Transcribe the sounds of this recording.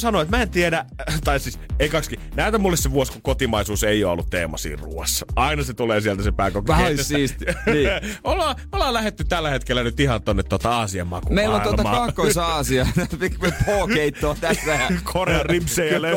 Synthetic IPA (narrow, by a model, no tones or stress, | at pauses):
sɑnoet̪mæent̪iedæt̪ɑisiːseikɑkskinæˑyt̪æmulːesseʋuoskukot̪imɑisuːseio̰ːo̰lːut̪t̪ḛːmɑ̰sḭːrrṵosɑinɑset̪uleːsiælt̪æsepæːkok̪essis | ʔolhɑː | olhɑːlæhet̪ːytt̪ælːæhet̪kelːænyt̪ihɑnt̪onːet̪t̪ːot̪ɑɑːsiɑ̰mːɑ̰kumeilːonit̪uolmt̪ɑmɑ̰kɑkːoisɑːsiɑikmepoːkeitːoːt̪æt̪ʋæhækʰoreɑipseːjɑle